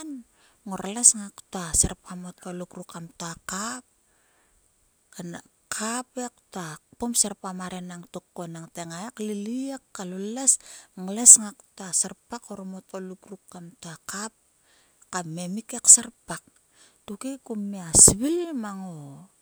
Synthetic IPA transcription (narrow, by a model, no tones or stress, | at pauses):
n | ŋoɾlesŋaktoaseɾpamot̚olukɾukamtoakap̚ | kan | kʰapek̚tapomseɾpamaɾenaŋtokːonaŋteŋaekliliekːalolesŋlesŋaktasaɾpakoɾmot̚olukɾukːamtoakap̚ | kame̞mikeksarpak̚ | tukekumːeasβilmaŋo